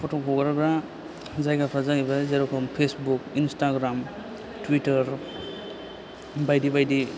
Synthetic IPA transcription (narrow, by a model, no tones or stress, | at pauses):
pʰɔtɔkʰɔɡaɾabɾa | zajɡapʰɾazaɡibazaɾɔkʰɔmpʰesbukinstaɡɾam | twitəɾ | bajdibajdi